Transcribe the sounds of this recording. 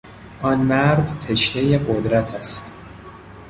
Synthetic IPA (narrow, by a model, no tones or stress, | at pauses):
ʔɒnmæɾd̪t̪ʰeʃne̞jeɢod̪ɾæt̪ʰæst̪